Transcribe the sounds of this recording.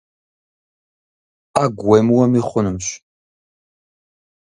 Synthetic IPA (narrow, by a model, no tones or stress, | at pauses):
aɡʷwemwɐmiχʷʊnɨmɕ